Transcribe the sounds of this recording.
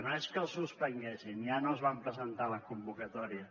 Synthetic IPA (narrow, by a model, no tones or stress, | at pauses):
noeskəlˠsuspɾəŋɡɛsinianoəzβampɾəzənt̪aləkumbukət̪ɔɾiə